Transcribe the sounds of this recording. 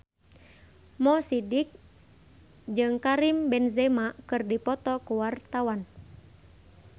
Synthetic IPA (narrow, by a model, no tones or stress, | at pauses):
mɔsidik̚ | d͡ʒɨŋkaɾimbɛnzɛmakɨrdipɔt̪ɔkuwart̪awan